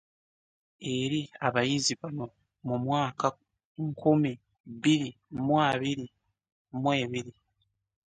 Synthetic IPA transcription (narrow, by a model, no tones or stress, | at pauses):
e̞ɾiaβajiziβamu | mumwaːka | ŋkʰumi | βiɾi | mwaːβiɾi | mwe̞ːβiɾi